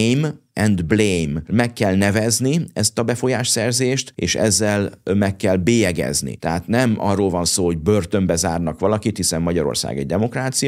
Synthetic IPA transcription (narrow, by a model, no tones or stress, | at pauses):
jm | ɛnd̪blejmmɛkːɛlnɛvɛzniɛst̪ɒbɛfo̞jaːʃsɛrzeːʃt̪ḛːʃɛ̰zːɛlmɛkːɛlbeːjɛɡɛ̰znḭt̪ɛɦaːt̪nɛmʔɒ̰rːoːlvɒnsoːho̞ɟ̚børt̪ø̞mbɛzaːrnɒkʋɒlɒkit̪hisɛmːɒɟɒɾo̰rsa̰ːɡɛ̰ɟ̚d̪ɛmo̞kraːt̪sij